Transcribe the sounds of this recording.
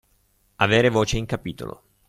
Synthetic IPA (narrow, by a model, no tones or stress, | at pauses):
aveːɾevoːt͡ʃeiŋkapiːt̪o̰lo̰